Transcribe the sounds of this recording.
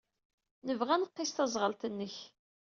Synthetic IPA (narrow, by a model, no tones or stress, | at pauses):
nəvʁænəqːɪst̪ɑzˤʁəlt̪ənːəç